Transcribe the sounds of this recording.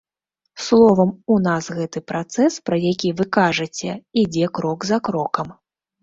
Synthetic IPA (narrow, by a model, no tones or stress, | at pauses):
slˠɔvɐmunasɣɛt̪ɨpɾat̪sɛspɾɐjakʲivɨkaʐɐt͡sʲɛid͡zʲɛkɾɔɡzɐkɾɔkɐm